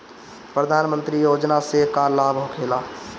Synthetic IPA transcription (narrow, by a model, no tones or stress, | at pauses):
pɾəd̪ʱaːnmə̃nt̪ɾijoːd͡ʒnasekalaːbɦokʰeːlaː